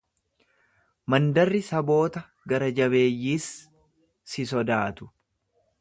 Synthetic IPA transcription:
mɐnd̪ɐrːɪsɐbo̞ːt̪ɐ | ɡɐɾɐd͡ʒɐβe̞ːjːiːsː | ɪsɔd̪aːt̪ʊ̥

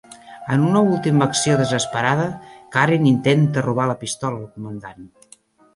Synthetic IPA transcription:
ənunəulˠt̪iməksioðəzəspəɾað̞əkaɾinint̪ent̪əruβ̞aləpist̪ɔləlkumənd̪an

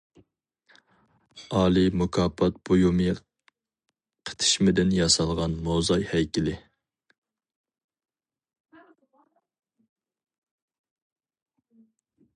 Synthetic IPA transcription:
ɑːlˠimukʰɑːpʰːɑt̪̚b̥ojumɨ | qʰə̥t̪ʰɨ̥ʃmɪd̪ɪnjɑsɑlˠʁɑnmozɑjhɛjkʲɪlɪ

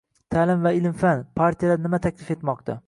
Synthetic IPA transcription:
t̪ʰalɪmvaɪlmfanpʰaɾt̪ʰijaanɪmat̪ʰakʲʰlɪfe̞t̪mɒq̚t̪ʰa̰

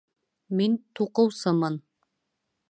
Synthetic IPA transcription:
mint̪ʰuqɤwsɑmɑn

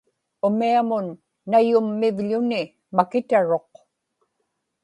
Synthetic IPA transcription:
ʊmiamʊnː | ajʊmːɪvʎʊnɪ | makɪt̪aɻo̞q̚

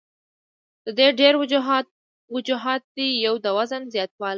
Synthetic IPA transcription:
d̪̥əd̪eɖeɾ | wʊd͡ʒuɦɑt̪̚d̪ijawd̪əwazənzjɑt̪wɑl

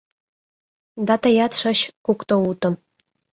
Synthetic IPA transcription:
d̪ɑt̪ɤ̆jɑt̪ʂɤ̆ɕkukt̪ɤ̆ut̪ɤ̆m

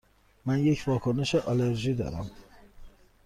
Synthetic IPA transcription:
mænjecʰvɒːkʰoneʃeʔɒleɾʒiːd̪ɒ̰ːɾæ̰m

